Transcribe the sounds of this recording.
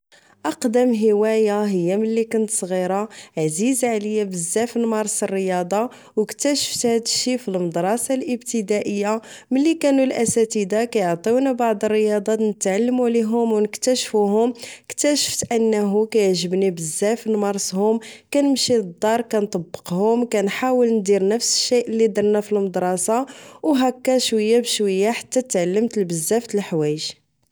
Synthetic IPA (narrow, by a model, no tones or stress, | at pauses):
ʔɑqd̪əmɦəwæjaɦəjːaməlːikʊnt̪sˤɣiɾˤɑʕzizʕləjːabəzːæfnmɑɾˤsərːəjɑd̪ˤɑ | wəkt̪æʃə̥ft̪hæd̪ʃifilməd̪ɾˤɑsɑlʔəbt̪əd̪æʔəjːaməlːikænulʔæsæt̪id̪akæjʕt̪ˤiwnabɑʕd̪ˤərːəjɑd̪ˤɑnət̪ʕalːəmuliɦʊmwnəkt̪æʃfuɦʊməkt̪æʃə̥ft̪ʔənːɦukæjəʕʒəbnibəzːæfnmɑɾˤshʊmkænəmʃid̪ːɑɾˤkænt̪ˤɑbːə̥qhʊmkænħawəlnd̪iɾnəfsə̥ʃːijʔəlːid̪ɑɾˤnæfilməd̪ɾˤɑsɑwɦækːæʃwəjːabʃwəjːaħḁt̪ːæt̪ʕalːəmt̪əlbəzːæft̪əlħwæjəʒ